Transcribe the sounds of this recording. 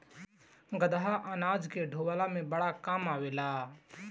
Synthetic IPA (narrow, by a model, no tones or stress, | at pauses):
ɡəd̪aɦaʔaːnaːd͡ʒkeɖʱoːʋaːlamẽbəɽakaːmaːʋeːlaː